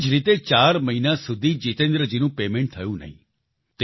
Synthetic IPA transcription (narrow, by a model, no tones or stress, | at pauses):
d͡ʒɾit̪et͡ʃaɾməɦinasud̪ʱid͡ʒit̪ẽnd̪ɾəd͡ʒinũpemẽɳʈ̚t̪ʰəjũnə̰ɦḭ̃ | t̪